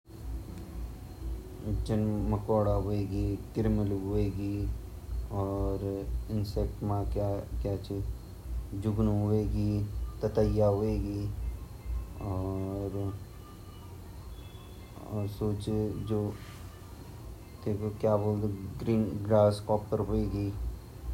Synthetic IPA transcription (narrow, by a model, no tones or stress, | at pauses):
d͡ʒənməkɔːɽaɦoeːɡiːkɪɾmɪlɦʊeːɡiː | ɔːɾɪnsek̚ʈmãkakjaːt͡ʃʰi | d͡ʒʊɡnɦʊeːɡit̪ət̪əjaɦoeːɡiː | ɔːɾ | ɔ̰ːɾsoːt͡ʃd͡ʒoː | t̪eːkokjaːboːld̪ɡɾiːnɡɾaːskɔːpːəɾɦoeːɡiː